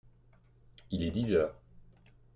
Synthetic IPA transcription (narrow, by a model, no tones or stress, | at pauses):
ilɛd̪izœːʁ